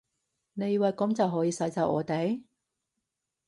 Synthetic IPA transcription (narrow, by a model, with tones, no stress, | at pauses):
ne˨˧jwɐ˨jkɔ˨˥mt͡sɐ˨wɦɔː˨˥jiː˧sɐ˨˧jt͡saː˨˧wʔɔ̰ː˨˧t̪e˨˥j